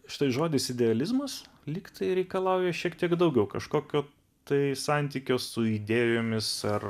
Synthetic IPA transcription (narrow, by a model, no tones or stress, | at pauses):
ʃʲɪ̥t̪ɐɪʒoːd̪ʲɪsɪd̪ʲɛɐlʲɪzmɐs | lʲiːkt̪ɐɪɾʲɛɪkɐlˠɑʊjɛʃʲiɛkt̪ʲiɛɡd̪ɐʊɡʲɛʊkɐʃkoːkʲoː | t̪ɐɪsɑnʲt̪ʲiːkʲoːsʊid̪ʲeːjjoːmʲɪsɐr